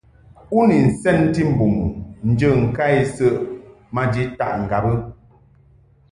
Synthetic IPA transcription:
u˦ni˨n̩˨sɛ˦n̩˦ti˦m̩˨bu˨mu˨n̩˨d͡ʒə˦˨ŋ̩˨ka˦i˦sə˦ʔ | ma˦d͡ʒi˨˦ta̰˦˨ʔŋ̩˨ɡa˨bə˦

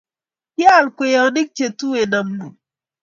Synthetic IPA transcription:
ja˦˨lkʷe˨ja˨wni˦k̚t͡ʃe˨tu˦we˨na˨mdu˨

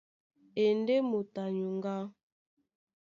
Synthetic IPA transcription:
e˨nde˦mo˨ta˨ɲu˨ŋ˦ɡa˦

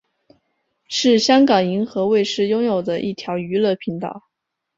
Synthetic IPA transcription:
ʂɻ̩˥˩ɕjɑ˥ŋkɑ˨˩ŋi˧˥ŋxɤ˧˥we˥˧ɪʂɻ̩˥˩jʊ˥ŋjo˨˩ʊd̪ə˦ʔi˥˩t̪ʰjɑ˧˥ʊy˧˥lɤ˥˩pʰi˧˥ŋt̪ɑ̰˨˩˦ʊ

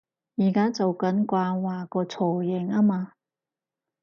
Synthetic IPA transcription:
jiː˨˩kaː˦˥t͡so˨wkɐ˨˥nkʷaː˧waː˨˩kɔː˧t͡sʰɔː˨˩jɪ˨˩ŋaː˥maː˧

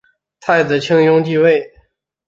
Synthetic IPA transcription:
t̪ʰa˥˩ɪt͡s̩˨˩t͡ɕʰi˥ŋjʊ˥ŋt̪i˥˧we˥˩ɪ

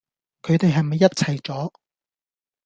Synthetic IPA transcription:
kʰɵ˨˧ɥt̪e˨jɦɐ˨jmɐ˨jːɐ˥t̚t͡sʰɐ˨jt͡ʃɔː˨˥

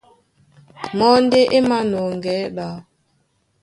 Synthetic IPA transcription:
mɔ˦n̩˦de˦ʔe˦ma˦no˨ŋ˨ɡɛ˨˦ɗa˨

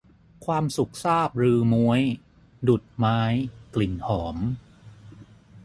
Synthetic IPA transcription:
kʰwaː˧msu˨˩k̚saː˥˩p̚ɾɯː˧mu˦˥əj | du˨˩t̪̚maː˦˥jkli˨˩nhɔː˩˦m

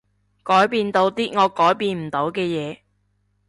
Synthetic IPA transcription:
kɔː˨˥jpiː˧nt̪o˨˧˥wt̪iː˥ŋɔː˨˧kɔː˨˥jpiː˧nm̩˨˩t̪o˨˥wkɛː˧jɛː˨˧

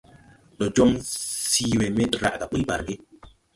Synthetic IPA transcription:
ɗɔ˨d͡ʒo˦ŋssi˦we˨me˦tɾa̰˨ʔɡa˨ɓu˦ba̰˨ɾɡi˦

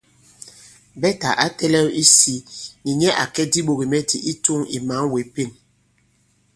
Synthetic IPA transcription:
bɛ˦ta˨ʔa˦tɛ˦lɛ˦wi˦si˦ni˨ɲɛ˦ʔa˨kɛ˦di˦ɓo˨ɣi˨mɛ˦di˨ʔi˦tu˦ŋi˨ma˨˦ŋwe˨˦pe˦˨n

